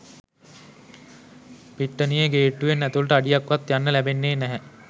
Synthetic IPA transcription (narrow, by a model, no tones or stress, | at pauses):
biʈːənijeɡeːʈːuʋenːæt̪uʋləʈəaɖijakʋat̪janːəlæbenːeːnæɦɛ